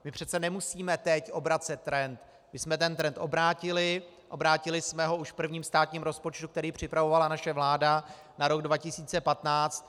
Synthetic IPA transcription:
mɪpr̝̥ɛt̪t͡sɛnɛmusiːmɛt̪ɛcʔo̞bɾat̪sɛt̪ːɾɛnt̪ | mɪsmɛt̪ɛnt̪ɾɛnt̪ʔo̞bɾaːcɪlɪ | ʔo̞bɾaːcɪlɪsmɛɦo̞uʃkpr̩vɲiːmst̪aːt̪ɲiːmɾo̞spo̞t͡ʃt̪uk̚t̪ɛɾiːpr̝̥ɪpɾavo̞valanaʃɛvlaːda | naɾo̞ɡdvacɪsiːt͡sɛpat̪naːt͡st̪

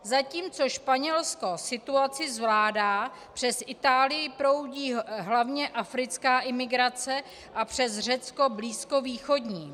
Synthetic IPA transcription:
zaciːmt͡so̞ʃpaɲɛlsko̞sɪt̪uat͡sɪzvlaːdaː | pr̝̥ɛsʔɪt̪aːlɪjɪpɾo̞wɟiːɦlavɲɛʔafɾɪt͡skaːʔɪmɪɡɾat͡sɛ | ʔapr̝̥ɛzr̝ɛt͡sko̞bliːskoviːxo̞dɲiː

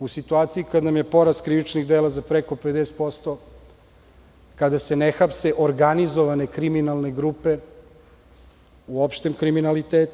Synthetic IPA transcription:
usit̪uaːt̪siikad̪namje̞po̞ɾaskɾiʋit͡ʃniɣd̪eːlazapɾeko̞ped̪est̪po̞st̪o̞ | kad̪ase̞nexapseʔoɾɡanizoʋane̞kɾiminalˠne̞ɡɾupe̞ | uopʃt̪e̞mkɾiminalit̪eːt̪u

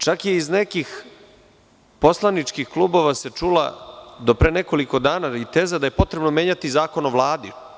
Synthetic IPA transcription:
t͡ʃakjeizne̞kix | po̞slˠanit͡ʂkixklˠuːbo̞ʋase̞t͡ʂulˠa̰d̪o̞pɾe̞ːneko̞liko̞d̪aːnait̪eːzad̪aje̞po̞t̪ɾe̞bnomjeɲat̪izaːko̞noʋlˠaːd̪i

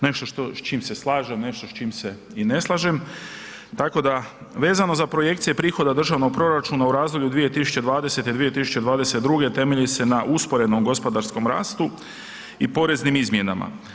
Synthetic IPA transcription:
ne̞ʃt̪o̞ʃt̪o̞st͡ʃiːmse̞slˠaːʒemne̞ʃt̪ost͡ʃiːmse̞ | ine̞slˠaʒem | t̪ako̞d̪a | ʋe̞ːzano̞zapɾo̞je̞k̚t̪sije̞pɾiːxo̞d̪ad̪r̩ʒaʋno̞ɡ̚pɾo̞ɾat͡ʃuːnauɾaːzlolʎud̪ʋije̞t̪isu̥t͡ɕe̞d̪ʋaːd̪e̞se̞t̪id̪ʋije̞t̪isut͡ɕe̞d̪ʋaːd̪ese̞t̪d̪ɾuɡe̞t̪e̞meʎise̞naʔuspo̞ɾe̞nomɡo̞spo̞d̪aɾsko̞mɾa̰ːst̪u | ipo̞ɾe̞znimizmje̞na̰ma̰

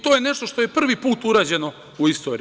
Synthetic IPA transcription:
t̪ojeneʃt̪oʃt̪oje̞pr̩ʋipuːt̪uɾaːd͡ʑe̞no | uist̪o̞ːɾi

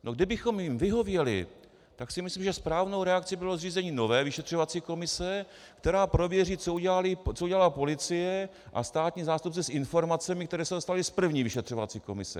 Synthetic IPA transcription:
nʔoɡdɪbɪxo̞mjɪmvɪɦo̞vjɛlɪ̰ | t̪aksɪmɪslimʒɛspɾaːvno̞wɾɛak̚t͡sɪbɪlozriːzɛɲiːno̞vɛːvɪʃɛt̪r̥ovat͡siːko̞mɪsɛ | kt̪ɛɾaːpɾo̞vjɛriːt͡souɟɛlalɪt͡souɟɛlalaːpo̞lɪt͡sɪjɛ | ʔa̰st̪aːt̪ɲiːzaːst̪up̚t͡sɛsʔɪnfo̞ɾmat͡sɛmɪkt̪ɛɾɛːsɛdost̪alɪspr̩vɲiːvɪʃɛt̪r̝̥o̞va̰t͡siːko̞mɪ̰sɛ̰

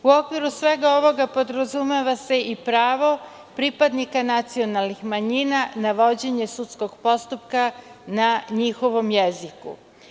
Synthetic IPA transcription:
uokʋiɾusʋe̞ɡao̞ʋo̞ɡapo̞d̪ɾazumeʋase̞ʔipɾaːʋo̞ | pɾipad̪nikanat̪sio̞nalˠnixmaɲinanaʋo̞d͡ʑe̞ɲe̞sut̪sko̞ɡpo̞st̪upkanaɲixo̞ʋo̞mjezikṵ

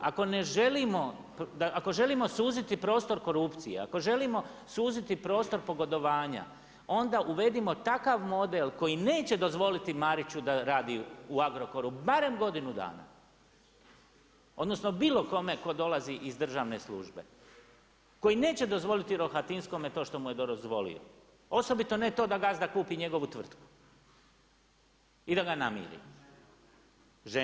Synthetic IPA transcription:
ako̞ne̞ʒe̞limo̞ | pd̪aʔako̞ʒe̞limo̞suːzit̪ipɾo̞ːst̪o̞ɾko̞ɾupt̪sijḛa̰ko̞ʒe̞limo̞ | suːzit̪ipɾo̞ːst̪o̞ɾpo̞ɡo̞d̪o̞ʋaːɲa̰ | o̞nd̪aʔuʋe̞d̪imo̞t̪akaʋmo̞d̪elˠko̞jine̞ːt͡ɕe̞d̪o̞zʋo̞lit̪imaɾit͡ɕud̪aɾaːd̪iuaɡɾo̞ko̞ɾubaɾe̞mɡo̞d̪inud̪a̰ːna̰ | o̞d̪no̞snobiːlˠo̞ko̞me̞ko̞d̪o̞laziʔizd̪r̩ʒaːʋne̞slṵːʒbe̞̰ | ko̞jine̞ːt͡ɕe̞d̪o̞zʋo̞lit̪iɾo̞xat̪insko̞met̪o̞ːʃt̪o̞muje̞d̪ozʋo̞lḭo̰ | o̞so̞bit̪o̞ne̞t̪o̞ːd̪aɡazd̪akuːpiɲe̞ɡo̞ʋut̪ʋr̩t̪ku̥ | id̪aɡanamḭːɾḭ | ʒe

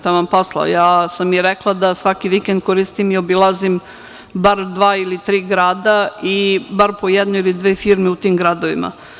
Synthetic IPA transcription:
t̪aʋamposlˠa̰o̰jaːsamjeɾeklˠad̪asʋakiʋikend̪̚koɾist̪imio̞bilˠazim | baɾd̪ʋaːilit̪ɾiːɡɾaːd̪aibaɾpojɛd̪nuilid̪ʋeːfiɾmeut̪iːmɡɾad̪oʋima̰

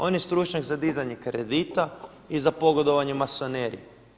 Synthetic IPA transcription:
o̞njest̪ɾut͡ʃɲakzad̪izaɲekɾed̪it̪a | izapo̞ɡod̪o̞ʋaɲemaso̞neɾi

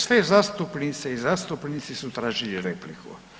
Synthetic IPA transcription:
sʋezast̪upnit̪seizast̪upnit̪sisut̪ɾaːʒiliɾeplikʰṵ

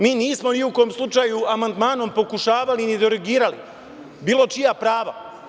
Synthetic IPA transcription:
miːniːsmo̞niuko̞mslˠut͡ʃajuamand̪maːno̞mpo̞kuʃaːʋalinid̪oɾeɡiːɾalḭ | biːlˠo̞t͡ʃijapɾaːʋa̰

